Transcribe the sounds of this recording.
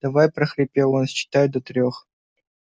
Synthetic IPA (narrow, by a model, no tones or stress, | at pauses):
d̪̥ɐvajpɾəxɾʲɪpʲelˠonst͡ɕːɪ̥t̪ajʊd̪ɔt̪ɾʲox